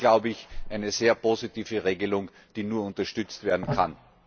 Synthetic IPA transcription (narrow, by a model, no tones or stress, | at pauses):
ɡ̥laʊbəɪçʔæɪnəzeːɐpʰoːzitiːvəʁeːɡəlʊŋ | d̥iːnuːɐʊntɐʃtʏt͡stv̥eːɐdn̩kʰan